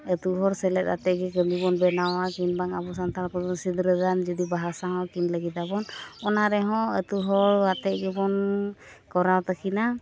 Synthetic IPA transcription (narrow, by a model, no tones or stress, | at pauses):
ət̪uɦɔɾsɛlɛt̪̚at̪ɛɡɛɡəmibɔnbɛnawakinbaŋabɔsant̪ʰaɾpɔbɔnsid̪ɾəɡand͡ʒɔd̪ibaɦasaɦɔ̃kinləɡit̪abɔnɔnaɾɛɦɔ̃ət̪uɦɔɹat̪ɛʔ̚ɡɛbɔn | kɔɾawt̪akʰina